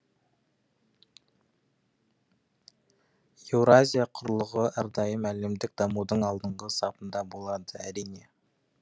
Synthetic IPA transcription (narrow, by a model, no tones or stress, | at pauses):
evɾoazʲijaqʰʊɾlˠəʁəʔæɾd̪ɑjəmælɪmd̪ɪk̚d̪ɑmud̪əɴɑlˠd̪əɴʁəsɑpənd̪ɑbolˠɑd̪əæɾijne̞